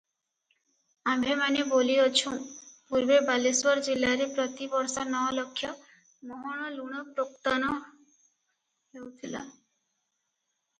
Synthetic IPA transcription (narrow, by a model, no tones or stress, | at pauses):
amʱemaneboliot͡ɕʰũw̃puɾbebaliswɔɾd͡ʑilːaɾepɾɔt̪ibɔɾsaɾnɔɔlokʰːjɔ | mɔɦɔɽ̃ɔluɽ̃ɔpɾokt̪anɔ | ɦewt̪ʰila̰